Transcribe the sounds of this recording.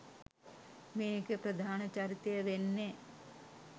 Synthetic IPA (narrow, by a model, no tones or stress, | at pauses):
meːkɨprɐd̪ʱaːnɐt͡ɕaːɾit̪ːejɐʋenːe